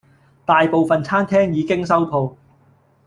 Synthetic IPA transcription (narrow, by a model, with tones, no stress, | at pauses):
t̪aː˨jpo˨wfɐ˨nt͡sʰaː˥nt̪ʰɛː˥ŋjiː˨˧˥kɪ˥ŋsɐ˥wt̪ʰo˨w